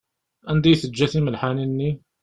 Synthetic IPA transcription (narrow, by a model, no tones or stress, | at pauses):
ʔænd̪ijθəd͡ʒːæθiməlħaninːi